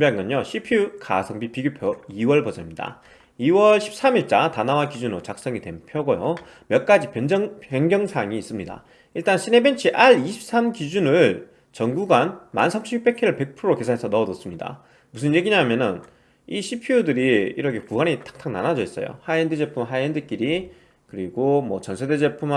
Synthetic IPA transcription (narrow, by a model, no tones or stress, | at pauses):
mbeanɡʌɲoɕʰipʰiuka̰sʰʌŋbipiɡjopʰjoiwʌɭbʌd͡ʑʌmɲida̰ | iwʌɭɕʰi̥p̚s͈amiɭt͡ɕ͈atanawakid͡ʑunot͡ɕak̚s͈ʌŋite̞mpʰjʌɡojo | mjʌk͈ad͡ʑipend͡ʑʌŋeŋɡjʌŋsʰaŋiːs͈ɯmɲida̰ | iɭt͈anɕʰine̞bent͡ɕʰiʔaɭiɕʰi̥p̚s͈amkid͡ʑunɯɭ | t͡ɕʌŋɡuɡanma̰nsʰamɕʰip͈e̞kʰeɾɯɭpe̞k̚pʰɯɾoɾoke̞sʰanɦesʰʌnʌːdʌs͈ɯmɲida̰ | musʰɯnje̞ɡiɲamjʌnɯn | iɕʰipʰiudɯɾiiɾʌkʰekuɡanitʰḁk̚tʰaŋna̰nad͡ʑʌis͈ʌ̰jo̰haendɯd͡ʑe̞pʰumɦaendɯk͈iɾi | kɯɾiɡomwʌt͡ɕʌnsʰe̞de̞d͡ʑe̞pʰum